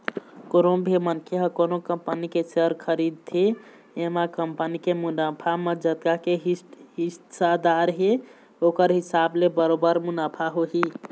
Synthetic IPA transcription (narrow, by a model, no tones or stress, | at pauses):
koɾobʱemənkʰeɦəkonokəmpənikesəɾkʰəɾid̪̚t̪ʰe | emakəmpənikemunəpʰaməd͡ʒət̪kakeɦɦisad̪aɾɦe | okəɾɦisablebəɾobəɾmunəpʰaɦoɦi